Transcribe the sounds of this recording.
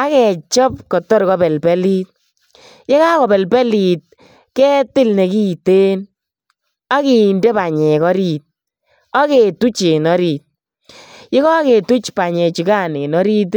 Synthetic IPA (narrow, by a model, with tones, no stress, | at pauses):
a˦kɛ˨t͡ʃɔ˦p̚kɔ˨tɔ˦ɾkɔ˦bɛ˨lpɛ˦li˦t̚ | je˦ka˦kɔ˨bɛ˨lpɛ˦li˨t̪̚ | kɛ˦tɪ˦lne˨ki˦te˦n | a˦ki˨ndɛ˦ba˨ɲɛ˨kɔ˦ɾi˦˨t̚ | ɔ˦ke˨tu˦t͡ʃe˨nɔ˦ɾi˨t̚ | je˦kɔ˦ke˨tu˦t͡ʃpa˨ɲɛ˨t͡ʃi˨ka˦˨ne˨nɔ˦ɾi˦t̬